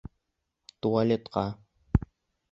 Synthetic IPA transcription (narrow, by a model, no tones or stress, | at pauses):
t̪ualʲet̪qɑ